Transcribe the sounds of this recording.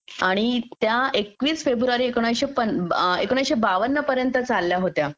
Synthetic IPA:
aɽ̃it̪jaekʋiːsfebɾuʋaɾiːekoɽ̃ajɕepənekoɽ̃ãjɕebaʋənːəpəɾjənt̪ət͡salːjaɦot̪ja

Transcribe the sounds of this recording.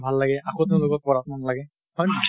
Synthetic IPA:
bʱalːaɡɛʔaxot̪eʊ̃lʊkɔk̚pɔɹatmanlaɡɛ | hɔj

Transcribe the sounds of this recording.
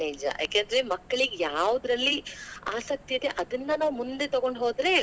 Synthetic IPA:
eːd͡ʒɐ̰ja̰ːkeːnd̪ɐɾe̞mɐkːɐɭiɡejaːʋud̪ɾɐlːia̰ːsɐk̚t̪iid̪e̞ʔɐd̪ɐnːɐnaːʋumund̪et̪ɐɡo̞ɳɖɦoːd̪ɾe̞

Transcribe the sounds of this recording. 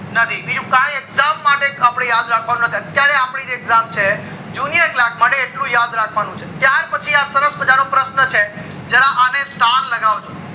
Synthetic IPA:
nət̪ʰibid͡ʒũkãjekzamːaʈeapɽ̃ejad̪ɾakʰʋanũnət̪ʰiət̪jaɾeapɽid͡ʒeeɡzamt͡ʃʰe | d͡ʒunijəɾklak̚ʰmaʈeːʈlũjad̪ɾakʰʋanũt͡ʃʰet̪jaɾpət͡ʃʰiasəɾəsbəd͡ʒaɾõpɾəsnət͡ʃʰe | d͡ʒəɾãʔanesʈaɾləɡaʋot͡ʃʰõ

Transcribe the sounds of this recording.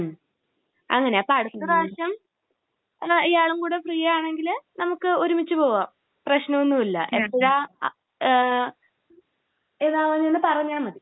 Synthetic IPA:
ɐ̰ŋːɐne̞ɐpːoɐɽut̪ːɐðaːɕjɐm | ijaːɭumkuːɽe̞frijɐjaːɳe̞ŋɡilnɐmukːɨoɾumit͡ɕːɨpo̞ːʋaːm | prɐɕnɐonːumilːɐ̰ʔepːoɣa | enaːʋɐɲːenːɨpɐrɐɲːaːmːɐði

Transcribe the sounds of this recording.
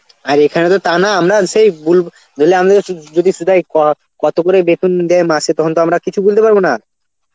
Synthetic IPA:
aɾekʰanet̪ot̪anaamɾaʃejbul | d͡ʑolːeamad̪ed͡ʑod̪iʃud̪ʱajkɔ | kɔt̪okoɾebet̪und̪ɛemaset̪ɔkʰont̪oamɾakit͡ɕʰubult̪epaɾbona

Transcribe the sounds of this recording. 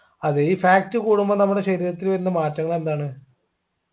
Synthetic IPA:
ɐðɨiːfaːk̚tːɨkuːɽumbɐnɐmːuɽe̞ɕɐɾiːɾɐt̪ːilʋɐɾunːɐmaːtːɐŋːɐɭe̞nd̪aːɳɨ

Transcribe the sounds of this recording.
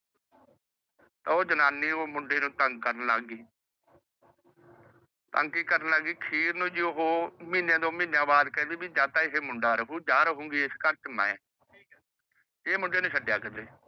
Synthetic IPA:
t̪ãːoːd͡ʒənaːnːiːoːmʊɳɖeːnũːt̪əŋɡkəɾnlaɡiː | t̪əŋɡkiːkəɾnlaːɡiːkʰiːɾnũːd͡ʒiːʊɦoːmĩːnjẽːd̪õːmĩːnjãːbaːd̪kɛ̃ːd̪iːbiːd͡ʒaːt̪aːɪɦeːmʊɳɖaːɾəkʰuːd͡ʒaːɾəɦõːŋɡiːeskəɾt͡ʃəmɛ̰̃ | emʊɳɖeːnũːʃəɖjaːkəd̪eː

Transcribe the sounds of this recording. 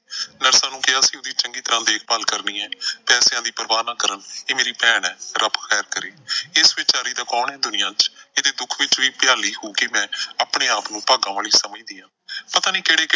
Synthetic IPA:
nəɾsaːnũːkɪaːəsĩːʊd̪iːt͡ʃəŋɡiːt̪əɾãːd̪eːk̚ʰbaːlkəɾniːɛːpɛːsjãːd̪iːpəɾəbaːnãːkəɾəneːmeːɾiːpɛːɳɛ̃ːɾəpʰkʰɛːɾkəɾeːɪsʋɪt͡ʃaːɾiːd̪aːkɔːɳɛ̃ːd̪ʊnɪjãːt͡ʃeːd̪eːd̪ʊkʰʋɪt͡ʃʋiːpɪjaːliːhoːkɪmɛ̃ːaːpɳeːaːpnũːpaːɡãːʋaːliːsəməiːd̪iːãːpət̪aːniːkɪɽeːk

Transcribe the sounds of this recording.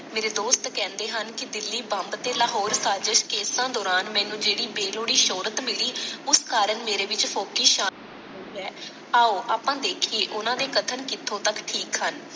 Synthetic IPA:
meːɾeːd̪oːst̪kɛ̃ːnd̪eːɦənkɪd̪ɪlːiːbəmbt̪eːlaːɦɔːɾsaːd͡ʒəʃkeːsãːd̪ɔːɾaːnmɛ̃ːnũːd͡ʒeːɽiːbeːloːɽiːʃoːɾət̪mɪliːʊskaːɾəɳmeːɾeːʋɪt͡ʃpʰoːkiːʃaː | oiːɦɛː | aːoːʔaːpãːd̪eːkʰieːʔʊnãːd̪eːkət̪ʰəɳkɪt̪ʰːõːt̪əkʈʰiːkɦən

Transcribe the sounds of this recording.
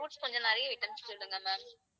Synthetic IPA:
oːʈskɔɲd͡ʒɐnnɐɾɪjɐɪʈːɐmskːɪɽɯŋɡɐmɛːm

